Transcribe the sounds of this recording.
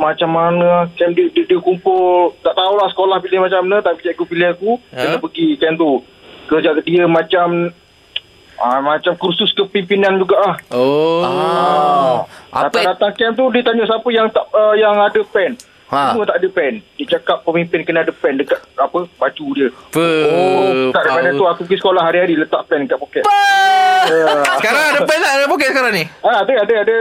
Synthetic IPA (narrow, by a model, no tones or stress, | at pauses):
mat͡ʃamːanəahkɛmdiəddiəkumpʊlt̪aʔt̪aulahsə̥kolahpilahmat͡ʃamnət̪apit͡ʃakupiliakukənəpəɡikɛnt̪u | kərd͡ʒadiəmat͡ʃam | amat͡ʃamkursʊskəpimpinand͡ʒuɡaʔlah | adat̪adat̪aŋkɛmt̪̬udit̪aɲaʔsapəjaŋt̪aʔəjaŋadəpɛn | mət̪aʔadəpɛndit͡ʃakapːəmimpɪnkənaadəpɛndəkat̪̚apəbat͡ʃudiəot̪aʔdapadat̪uakukisə̥kolahɦaɾiɦaɾilət̪aʔpɛnkaʔ̚pokɛʔ | səkaɾaŋadəpɛnt̪aʔdəpokɛsəkaɾaŋniəadəadəadə